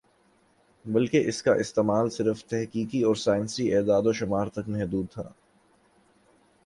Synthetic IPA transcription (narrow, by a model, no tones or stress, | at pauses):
bɐlkeʔɪskaʔɪst̪eːmaːlsɪɾəft̪ɛɦkiːkiɔːɾsaːɪnsiʔeːd̪aːd̪oʃʊmaːɾt̪ɐkmɛɦd̪uːd̪̚t̪ʰa̰